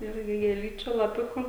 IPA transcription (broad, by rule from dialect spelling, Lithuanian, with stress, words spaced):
ˈɪrʲɡʲɪ ɡʲeːˈlʲiːt͡ʃʲʊ lˠɐˈpʲʊkʊ